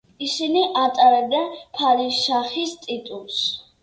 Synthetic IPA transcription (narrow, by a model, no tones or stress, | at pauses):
isiniʔat̪ʼaɾɛb̚d̪anpʰalisʃaχist̪ʼit̪ʼulˠs